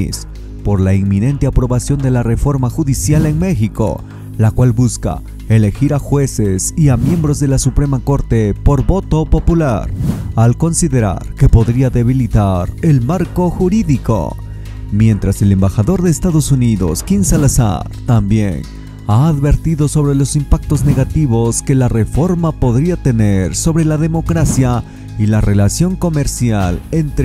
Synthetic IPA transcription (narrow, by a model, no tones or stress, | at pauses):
s | po̞ɾlaiŋmine̞nt̪eapɾo̞βasjo̞nd̪e̞lare̞fo̞ɾmaxuðisjale̞ŋme̞xiko̞̰ | lakwalbuska̰ | e̞le̞xiɾaxwe̞se̞siamje̞mbɾozðe̞lasupɾe̞mako̞ɾt̪e̞po̞ɾbo̞t̪o̞po̞pula̰ɾalko̞nsiðe̞ɾa̰ɾke̞po̞ðɾiaðe̞βilit̪aɾe̞lmaɾko̞xuɾiðiko̞̰ | mje̞nt̪ɾase̞le̞mbaxaðo̞ɾðe̞ːst̪aðo̞suniðo̞̰skinsalasa̰ɾt̪ambje̞̰n | aːðβe̞ɾt̪iðo̞so̞βɾe̞lo̞simpak̚t̪o̞zne̞ɣat̪iβo̞ske̞lare̞fo̞ɾmapo̞ðɾiat̪e̞ne̞ɾso̞βɾe̞laðe̞mo̞kɾasja | ilare̞lasjo̞ŋko̞me̞ɾsjalent̪ɾ